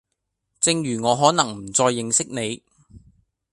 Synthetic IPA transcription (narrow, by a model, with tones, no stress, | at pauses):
t͡sɪ˧ŋjyː˨˩ŋɔː˨˧ɦɔː˨˥nɐ˨˩ŋm̩˨˩t͡sɔː˧jːɪ˧ŋsɪ˥k̚ne˨˧j